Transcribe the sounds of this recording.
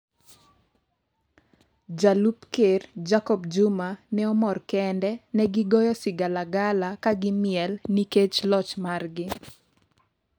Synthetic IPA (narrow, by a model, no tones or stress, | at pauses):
d͡ʒalupkerd͡ʒakɔbd͡ʒʊmanɛɔmɔrkɛndɛnɛɡɪɡɔjɔsɪɡalaɡalakaɡɪmɪɛlniket͡ʃlɔt͡ʃmarɡɪ